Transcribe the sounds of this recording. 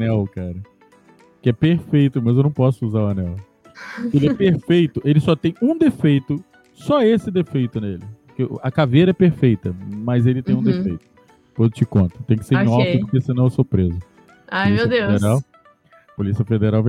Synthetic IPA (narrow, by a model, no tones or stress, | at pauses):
nɛwkaɾɐ | kɪɛpeɾfejt̪ʊmɐzewnɐ̃w̃pɔsʊuzaʊɐnɛw | elɪɛɛpeɾfejt̪ʊʔelɪsɔt̪ẽj̃ũd̪efejt̪ʊ | sɔesɪd̪efejt̪ʊnelɪpoɾkḛɐkavejɾɐɛpeɾfejt̪ɐmɐzelɪt̪ẽj̃ũd̪efejt̪ʊ̥ | pod̪ʊt͡ʃɪkõnt̪ʊ̥t̪ẽj̃kɪ̥seɾ̃ɔfʊd̪ʊkesɪnɐ̃w̃ewsopɾezʊ | ajieɐd̪ewfed̪eɾaw | ɐpolisiɐfed̪eɾawve